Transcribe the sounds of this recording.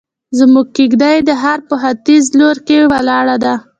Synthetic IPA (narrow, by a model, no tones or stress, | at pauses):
zmuɡ̚kiɡd̪ajd̪əɦaɾpəɦat̪izloɾkewalɑɽad̪a